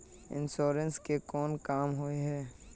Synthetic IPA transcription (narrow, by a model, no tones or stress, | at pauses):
ɪ̰̃nsoːɾə̃nskekɔːnkaːmɦoeɦɛː